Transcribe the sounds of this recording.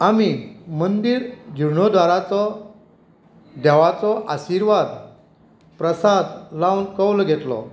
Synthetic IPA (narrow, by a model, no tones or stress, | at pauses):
amimənd̪iːɾd͡ʑuɳ̤ɔd̪ʱʋaɾat͡sɔ | d̪ɛʋat͡sɔʔaɕiɾʋad̪ | pɾəsad̪lawnkəwlɔɡʱet̪lɔ̰